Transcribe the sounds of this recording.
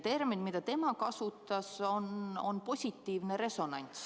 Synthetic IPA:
t̪e̞rminmid̪̥ɑt̪e̞mɑkɑsut̪ːˑɑsono̞npo̞sʲit̪ːiːvneɾe̞so̞nɑ̰nʲt̪s

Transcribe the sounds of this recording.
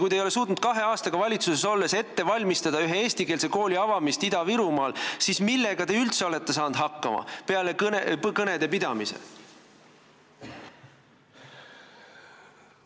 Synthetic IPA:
kujd̪ejo̞le̞s̬uːt̪nud̪̥kɑɦe̞ɑːst̪ɑɡ̥ɑvɑlʲit̪suse̞so̞lːe̞se̞t̪ːe̞vɑlʲmist̪ɑd̪̥ɑyɦeeːst̪ike̞ːlse̞ko̞ːlʲiɑvɑmist̪id̪ɑviɾumɑːlsismilːe̞ɡ̥ɑt̪e̞ylt̪se̞o̞le̞t̪ːe̞sɑːnd̪̥ɦɑkːɑmɑ̰pe̞ɑleknpkɤne̞d̪̥e̞pid̪ɑmisḛ

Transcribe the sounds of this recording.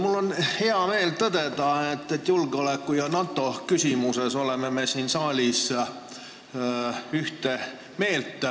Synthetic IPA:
mulːo̞nhe̞ɑme̞ːlt̪ɤd̪̥e̞d̪ɑet̪ːet̪ːjulɡ̥eole̞kːˑujɑnɑt̪ːˑo̞kysʲimuse̞so̞le̞meme̞siːnsɑːlʲis | yht̪e | me̞ːlt̪ˑː

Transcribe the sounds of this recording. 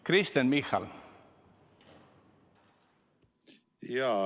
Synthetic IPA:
kʰɾɪst̪ənmixa̰l | ja

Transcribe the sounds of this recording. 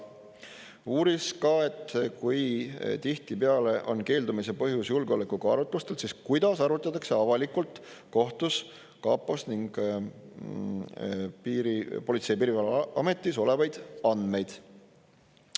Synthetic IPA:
uːɾiskɑe̞t̪ːkujt̪iht̪ipeɑle̞ʔo̞̰nke̞ːld̪umise̞pɤɦjusjulɡeolekukɑɑɾut̪ˑlust̪e̞lsiskujd̪̥ɑsɑɾut̪ˑːɑt̪ːˑɑkse̞ɑvɑlikult̪ | ko̞ht̪us | kɑːpːˑosniŋɡ̥ | piːɾipo̞lʲit̪se̞piːɾivɑlʔɑ̰me̞t̪ˑːiso̞le̞vɑjd̪̥ɑnd̪̥me̞jd̪̥

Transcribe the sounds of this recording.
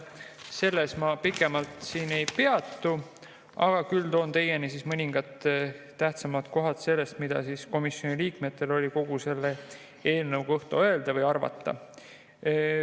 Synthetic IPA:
se̞lːe̞smɑpikːˑemɑlt̪siːne̞jpe̞ɑt̪ːˑu | ɑ̰ɡ̥ɑkylt̪o̞ːnt̪e̞je̞nisismɤnʲiŋɡ̥ɑt̪ː | æht̪sɑmɑt̪ko̞ɦɑt̪se̞lːe̞st̪mid̪̥ɑ̰siːsko̞misjo̞niliːkme̞t̪ːˑe̞lo̞lʲiko̞ɡ̥use̞lːe̞ | e̞ːlnɤwɡ̥ɤht̪oø̞e̞ld̪̥ɑvɤjɑrvɑ̰t̪ˑːɑ̰

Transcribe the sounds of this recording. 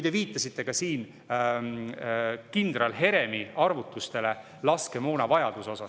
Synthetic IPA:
ujd̪e̞viːt̪ˑːɑsit̪ːˑe̞kɑsiːn | kind̪rɑlɦe̞ɾe̞miɑrvut̪ːˑust̪e̞le̞ | lɑske̞mo̞ːnɑvɑjɑd̪̥uso̞sɑ

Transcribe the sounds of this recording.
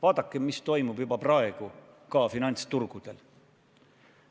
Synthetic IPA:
vɑːd̪̥ɑkːˑemmːist̪o̞jmub̥jubɑprɑe̞ɡ̥u | kɑːfinɑnʲt̪st̪urɡ̥ud̪̥e̞l

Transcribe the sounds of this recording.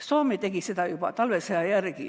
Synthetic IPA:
soːmet̪ekisit̪æjopɑ̰t̪ɑlʋeseɑjærkḭ

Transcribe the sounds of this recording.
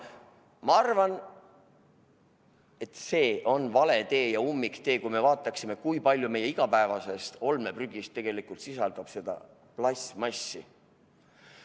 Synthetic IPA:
mɑɑrvɑn | e̞t̪se̞ːʔo̞nvɑle̞t̪e̞ːjɑumːikt̪e̞ːkujme̞vɑːt̪ːˑɑksime̞kujpɑlʲjume̞je̞iɡ̥ɑpæevɑse̞st̪o̞lme̞pryɡist̪ːe̞ɡ̥e̞likˑult̪sisɑld̪̥ɑb̥se̞d̪̥ɑ̰ | plɑsmɑsːi

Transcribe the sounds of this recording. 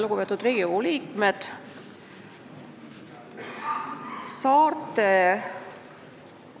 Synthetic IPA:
lukupet̪ːud̪̥ɾiːɡ̥iouliːkmed̪̥ | sɑːrt̪e

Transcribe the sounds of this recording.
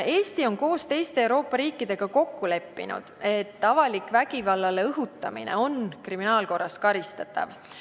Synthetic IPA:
e̞ːst̪io̞nko̞ːst̪e̞jst̪e̞ːwɾo̞ːpːˑɑɾiːkːˑid̪̥e̞ɡ̥ɑko̞kːule̞pːḭnṵd̪̥e̞t̪ːɑvɑlikvæɡivɑlːɑleɤɦut̪ːˑɑmḭnḛo̞nkriminɑːlko̞rːɑskɑɾist̪ɑt̪ːɑ̰v

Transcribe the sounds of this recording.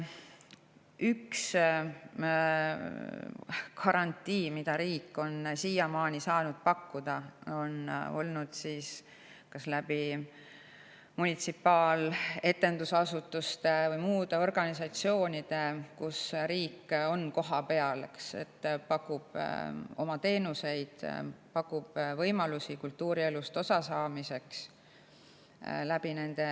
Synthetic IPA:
yks | kʰɑɾɑnʲt̪ˑːiːmid̪̥ɑɾiːkːo̞nsiːjɑmɑːnisɑːnud̪̥̚pɑkːud̪̥ɑo̞no̞̰lnud̪̥sis | kɑslæb̥i | munʲit̪sipːɑːle̞t̪ːˑe̞nd̪̥usɑsut̪ːˑust̪e̞vɤjmuːd̪̥e̞o̞rɡ̥ɑnisɑt̪sio̞ːnʲid̪̥e̞kusɾiːkːo̞nko̞ɦɑpe̞ɑlksḛt̪ːpɑkːub̥o̞̰mɑt̪e̞ːnuse̞jd̪̥pɑkːˑub̥vɤjmɑlusikult̪ːuːɾie̞lust̪o̞sɑsɑːmise̞ks | læb̥ine̞nd̪̥e̞

